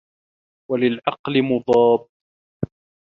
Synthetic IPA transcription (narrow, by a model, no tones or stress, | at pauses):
walɪlʕɑqlɪmʊd̪ˤɑːb